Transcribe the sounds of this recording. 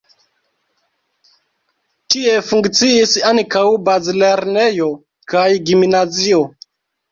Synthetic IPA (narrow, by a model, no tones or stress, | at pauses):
tie̞fuŋkt͡siisaŋkawbazile̞ɾne̞jo̞ | kajɡiminazio̞